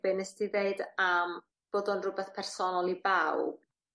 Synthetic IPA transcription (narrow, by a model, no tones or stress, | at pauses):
b̥enəsdiðeɨdam | b̥oːðɔnrʊbɛθpʰɛrsɔnɔlˠibawb